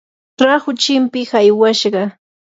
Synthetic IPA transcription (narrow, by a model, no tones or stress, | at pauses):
ɾaχʊt͡ʃɪmpɪxajwaʃɢɑ